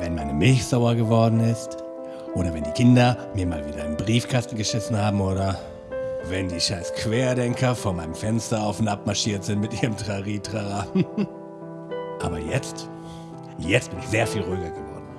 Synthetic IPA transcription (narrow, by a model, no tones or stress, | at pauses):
vɛnmaɪnəmɪlçz̥aʊɐɡəvɔɐdn̩ɪst | ʔoːɾɐvɛndiːkʰɪndɐmiːɐma̰ːlviːdɐɪnbʁiːfkʰastn̩ɡəʃɪsn̩haːbm̩oːɾɐ | vɛndiːʃaɪskv̥eːɐdɛŋkʰɐfoːɐmaɪnəmfɛnstɐaʊfʊntʔap̚maɐʃiːɐtz̥ɪntmɪtʔiːʁəmtʁ̥aʁiːtʁ̥am | ʔa̰ːbɐjɛt͡st | jɛt͡st̚b̥ɪnɪçz̥eːɐfiːlʁyːɡɐɡəvɔ̰ɐdn̩